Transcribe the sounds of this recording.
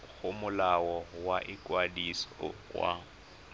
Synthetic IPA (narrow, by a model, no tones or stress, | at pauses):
ɣʊmʊlawɔwaʔɪkʼwadisɔ̥wa̰